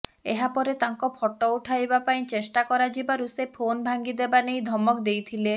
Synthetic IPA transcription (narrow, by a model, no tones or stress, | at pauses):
eɦapɔɾet̪aŋkɔpʰɔʈɔuʈʰajbapaĩt͡ʃesʈakɔɾad͡ʒibaɾusepʰonbʱaŋɡid̪ebanejd̪ʱɔmɔkd̪ejt̪ʰile